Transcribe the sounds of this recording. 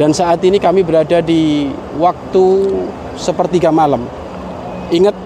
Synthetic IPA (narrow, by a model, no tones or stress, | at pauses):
d̥ansaʔat̪inikamibəɾadadi | wak̚t̪u | səpərt̪iɡamalam | ʔiŋət̪̚